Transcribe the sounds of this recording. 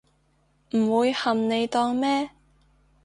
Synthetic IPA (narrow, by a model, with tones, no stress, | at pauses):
m̩˨˩wuː˨˧jhɐ˨mne˨˧jt̪ɔː˧ŋmɛː˥